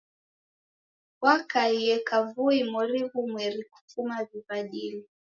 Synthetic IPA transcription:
wakaijɛkavuimuɾivumwɛɾiku̥fumaviβaɗili

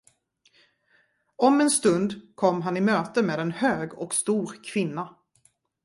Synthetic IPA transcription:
ɔmɛnst̪ɵnd̪kʰɔmːɦanɪmøːt̪əmeːd̪ɛnhøːɡɔkst̪uːɾkʰvɪnːa

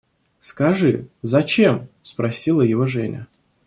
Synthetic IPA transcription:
skɐʐɨzɐt͡ɕemspɾɐsʲilˠəjɪvo̞ʐɛnʲə̰

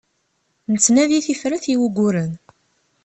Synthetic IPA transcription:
nət͡sːnæðiθifɾæθiwuɡʷʊɾən

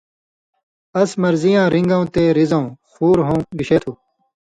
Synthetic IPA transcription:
ɐsmɐɾzijãːɾiŋɡãũt̪eːɾizɐ̃ũxuːɾɦõːɡiɕeːt̪ʰuː

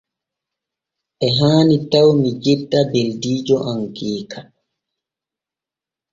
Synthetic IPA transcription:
ʔɛɦaːnitawmid͡ʒidːabeldiːd͡ʒɔʔaŋkiːkʰa

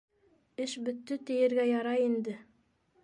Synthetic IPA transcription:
ɘʃbɵ̆t̪ːɵt̪ɘ̆jɘ̆ɾɡæjɑɾɑjind̪ɘ

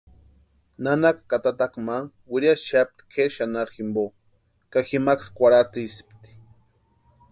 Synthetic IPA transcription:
nanakkat̪at̪akmaŋ | wiɾjasʃap̚t̪i̥kʰeʃanaɾximbo | kaximakskʷaɾat͡sisi̥pt̪i̥

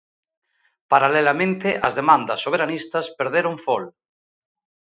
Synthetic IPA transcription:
paɾalelamẽnt̪eʔazðemãnd̪asːoβ̞eɾanist̪ɐspeɾð̞eɾoŋfol

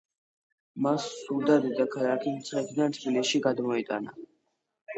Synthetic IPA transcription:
masːuɾd̪ad̪id̪akʰalakʰimt̪sʼχɛkʰd̪ant̪ʰbilisʃiɡad̪mɔit̪ʼa̰na̰

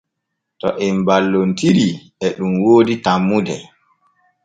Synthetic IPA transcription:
tɔ̰ʔɛmbalːontiɾi | ɛɗumwoːditamːudɛ

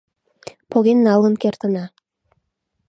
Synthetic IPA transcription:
poɣenːɑlˠə̆nkert̪ə̆nɑ

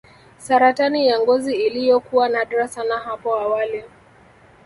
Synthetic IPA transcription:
saɾatanijaŋɡɔziːlijɔkuwanaɗɾasanaɦapɔawalɛ

